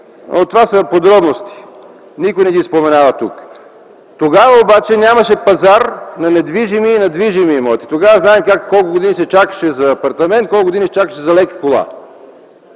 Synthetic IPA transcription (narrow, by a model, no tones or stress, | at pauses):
ot̪ːovasəpod̪ɾɔbnost̪i̥ | nikojnɛɡ̪ispomɛnavɐt̪ṵk | t̪oɡavəobat͡ʃɛnʲamɐʃɛpɐzaɾnɐnɛd̪viʒimiːnɐd̪viʒimimɔt̪i̥t̪oɡavəznaɛmkakːɔlˠkʊɡod̪inisɛt͡ʃakə̥ʃɛzɐːpɐɾt̪ɐmɛnt̪̚kɔlˠkʊɡod̪inisɛt͡ʃakəʃɛzɐlɛki̥kolˠa̰